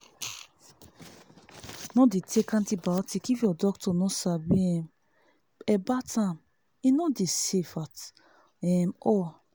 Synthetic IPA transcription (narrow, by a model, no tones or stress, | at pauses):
nɔdetʰekãntibatikifjɔdɔk̚tɔnɔsabiɛ̃m | ɛbatʰãm | inɔdesefat | ɛ̃mɔ